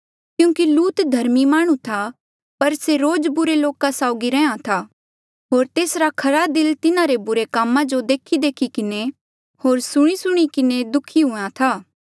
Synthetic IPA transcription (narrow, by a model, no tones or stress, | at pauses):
kjũːkiluːt̪d̪ʱɐɾmimaːɽ̃ũt̪ʰa | pɐɾseɾoːd͡ʒbʊɾeloːkasaːʊɡiɾɛ̃ãt̪ʰaː | ɦoːɾt̪eːsɾakʰɐɾad̪ɪlt̪ɪnãɾebʊɾekaːmãd͡ʒod̪eːkʰid̪eːkʰikɪne | hoːɾsʊɽ̃isʊɽ̃ikɪned̪ʊkʰiɦʊãt̪ʰaː